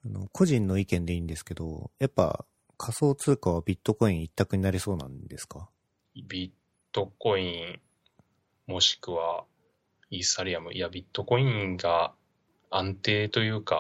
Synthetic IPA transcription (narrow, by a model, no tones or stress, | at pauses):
ano̞kʰo̞ʑĩnːo̞ikẽ̞nd̪e̞ĩːnd̪e̞sɨ̥ke̞d̪o̞̰japːa̰ | kʰaso̞ːt͡sɨːkaβ̞abʲit̪ːo̞ko̞ĩɰ̃it̪ːakɯ̟ɲ̟inaɾʲiso̞ːnã̰nd̪e̞sɨ̥ka | bʲit̪ːo̞ko̞ĩ | mo̞ɕi̥kɯ̟βa | isaɾʲiamɯ̟ʔiabʲit̪ːo̞ko̞ĩŋɡa | ãnt̪e̞ːt̪o̞jɯ̟ːka